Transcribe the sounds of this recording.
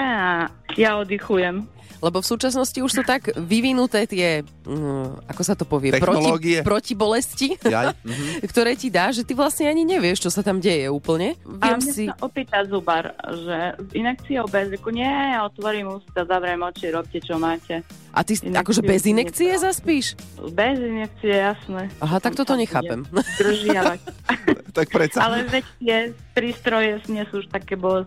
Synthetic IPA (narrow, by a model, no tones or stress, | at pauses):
ɛa | jaɔd̪ixujɛm | lɛbɔfsuːt͡ʃasnɔsciuʃsuːt̪aɡʋiʋinut̪ɛːt̪ɪɛ | akɔsat̪ɔpɔʋɪɛɛpɾɔɔːɡiɛpɾɔcibɔlɛsci | kt̪ɔɾɛːcid̪aːʒʒɛt̪iʋlasɲɛaɲiɲɛʋɪɛʃt͡ʃɔsat̪amɟɛjɛuːpl̩ɲɛʋɪɛmɲɛsiaʔɔpiːt̪azubaɾʒɛinɛk̚t͡siɔʊbɛzɾikuɲɪɛjaɔt̪ʋɔɾimusi̥t̪azaʋɾɛɛmɔt͡ʃiɛɾɔp̚cɛt͡ʃɔmaːcɛ | ʔa̰t̪isinakɔʒɛbɛzinɛkt͡sijɛzaspiːʃbɛzinɛk̚t͡siɛjasnɛːʔaɦat̪akt̪ɔt̪ɔɲɛxa̰ːpɛmd̪r̩ʒɪaʋa | t̪ak̚pɾɛt͡saalɛʋɛct̪ɪɛpɾiːst̪ɾɔjɛsɲɛsuuʃt̪akɛːbɔ